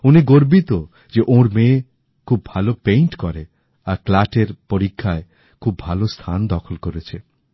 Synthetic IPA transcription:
uniɡoɾbit̪o | d͡ʒeʔõɾme | kʰubbʱalopejɳʈkɔɾe | aklaʈeɾpoɾikʰːae | kʰubbʱalost̪ʰand̪ɔkʰɔlkoɾet͡ʃʰe

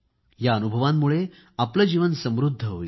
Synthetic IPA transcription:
jaənubʱəʋamːuɭe | apləd͡ʑiʋənsə̃mɾud̪ʱːəɦo̰i

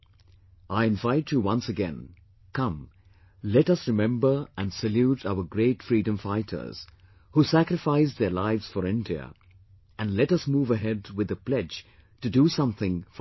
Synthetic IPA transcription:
aɪɪ̃ɱvaɪt͡ʃjuwʌ̃nsɨɡɛ̰̃n | kʌ̃m | lɛɾʌsɹɨmɛ̃mbə˞ʔæ̃nsɨljutʰaʊə˞ɡɹeɪtfɹiːdə̃ɱfaɪtʰə̰˞z̥ | husækɾɨfaɪsðə˞laɪvz̥fɔɾɪ̃ndiə̰ | ʔɨ̃nlɛɾʌsmuːvəɦɛdwɨðəplɛd͡ʒ | tɨdusʌ̃mθɪ̃ŋf

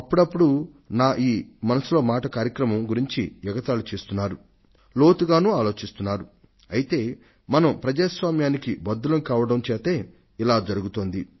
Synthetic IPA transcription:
ɐpːuɽɐpːuɽu | naːʔiːmɐnɐsilo̞ːmaːʈɐkaːɾjɐkɾɐmɐmɡuɾiɲt͡ʃḭjuɡɐt̪aːlut͡ʃeːst̪unːaːɾu | lo̞ːt̪uɡaːnuːaːlo̞ːt͡ʃist̪unːaːɾu | ɐjit̪e̞ː | mɐnɐmpɾɐd͡ʒaːsʋaːmjaːnikibɐd̪ːulɐmkaːʋɐɽɐmt͡ʃeːt̪eː | ilaːd͡ʒɐɾuɡut̪o̞ːnd̪i

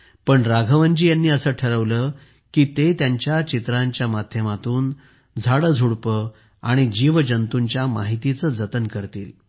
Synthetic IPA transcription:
pəɳɾaɡʱəʋəɲd͡ʑiːjanːiːəsəːʈʰəɾəʋləː | kiːt̪et̪jaɲt͡ɕjat͡ɕit̪ɾaɲt͡ɕjamad̪ʱjəmat̪uːn | d͡zʱaɽəd͡zʱuɽpə | aɽ̃id͡ʑiʋd͡ʑənt̪uɲt͡ɕjama̰ɦit̪it͡səːd͡zət̪ənkəɾt̪iːl

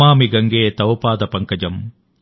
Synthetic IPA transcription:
aːmiɡɐŋɡeːt̪ɐʋɐpaːd̪ɐpɐŋkɐd͡ʒɐm

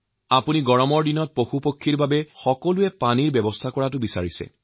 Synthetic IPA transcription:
apuniɡɔɹɔmɔɹdinɔt̚poxupokʰːiɹbabɛxɔkɔluɛpaniɹbɛbɔstʰakɔɹatʊbisaɹisɛ̰

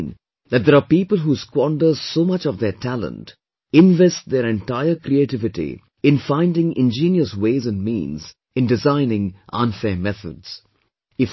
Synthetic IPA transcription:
n | ðæt̚d̪ɛɾaːpiːpəlˠɦuːskwɔ̃nɖəzsoːmʌt͡ʃɔvd̪eʈʰælə̰̃nt | ɪ̃nvɛsʈ̚d̪eɾɛ̃nʈaɪəkɾieʈɪvɪʈḭ | ɪ̃nfãɪ̃nɖɪ̃ŋɪ̃nd͡ʒĩːnjəsweːzə̃nmḭ̃ːnz | ɪ̃nɖɪzãɪ̃nɪ̃ŋʔʌ̰̃nfɛːmɛθʰə̰dz̥ | ɪf

